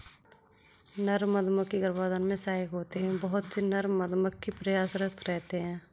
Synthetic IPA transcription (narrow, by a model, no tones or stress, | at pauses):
nəɾməd̪məkːiɡəɾbaːd̪ənmẽsaːikɦoːt̪eɦɛ̃bəɦʊt̪senəɾməd̪məkːipɾəjaːsɾəst̪ʰɾɛɦt̪eɦɛ̃ː